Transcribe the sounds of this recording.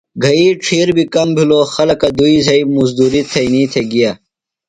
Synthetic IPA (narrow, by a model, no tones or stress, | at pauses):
ɡʱɐiʈ͡ʂʰiːɾbikɐmbʱiloːxɐlɐkɐd̪uizɐimuzd̪uːɾit̪ʰɐiniːt̪ʰeɡija